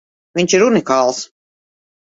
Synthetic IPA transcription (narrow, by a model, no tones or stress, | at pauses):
viɲt͡ʃiɾunikaːlˠs